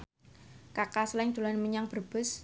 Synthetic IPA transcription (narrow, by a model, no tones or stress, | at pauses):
kakasəlɛŋd̪̥ṳlanməɲaŋb̥ərb̥ʊ̤s